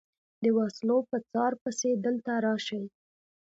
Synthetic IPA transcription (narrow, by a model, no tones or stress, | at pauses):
d̪əwɑslopət͡sɑɾpəsed̪əlt̪aɾɑʃəji